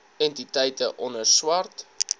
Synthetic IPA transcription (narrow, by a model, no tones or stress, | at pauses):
ɛntitɛjtəʔɔnərswɐrt